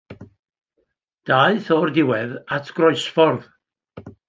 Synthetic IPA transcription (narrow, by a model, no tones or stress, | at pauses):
d̥aːɨθɔrdɪwɛðatʰɡ̥rɔɨsfɔrð